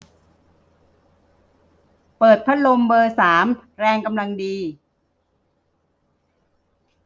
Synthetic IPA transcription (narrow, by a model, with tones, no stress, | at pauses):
pɤː˨˩t̪̚pʰa˦˥lo˧mbɤː˧saː˩˦mɾɛː˧ŋka˧mla˧ŋdiː˧